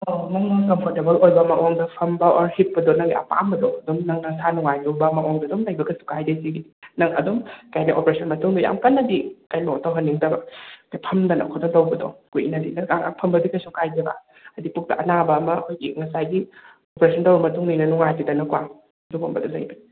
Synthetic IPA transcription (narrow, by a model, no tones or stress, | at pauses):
omɐŋaŋkɐmpʰɔɾtebɐlojbɐmaʔoŋdɐpʰɐmbɐʔɔɾhit̚pɐdɔnɐŋɡiɐ̰pa̰mbɐdɔɐdɔmnɐŋnɐŋsanuŋajnubɐmaʔɔŋdɐdɔmlajbɐɡɐsu̥kajdesiɡinɐŋɐ̰dɔmkajnaʔopɾesʰɐnmɐtuŋdɐja̰mkɐnːɐdikajnotawɦɐnːiŋdɐbɐkapʰɐmdɐnɐ̰kʰɔtɔŋtɐwbɐdɔ̰kujḭnɐdinɐaŋa̰pʰɐmbɐdikasukajdeba̰ | ɐdipuk̚tɐ̰ʔɐnabɐːmɐkʰojɡiŋɐsajɡi | opɾesɐntɐwbɐmɐtuŋnijnɐnuŋajtidɐnɐkwa | dubombɐdɔlɐjbɐi